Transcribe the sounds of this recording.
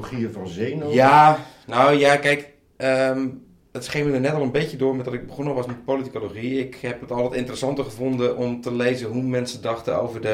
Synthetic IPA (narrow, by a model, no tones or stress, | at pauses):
χiəvɔnzenjanowjakɛjk | əm | ətsχɪŋʋədənɛtɔlˠənbetjədʊːɹmɛtɔtɪɡ̚bəχonəʋɑsmɛtpolitikoloxiɪkhɛp̚ətɔlˠʋətɪntərəsɑntəχəvondəʔɔmtəlejzəɦumɛnsədɑxtə̰o̰wvərdə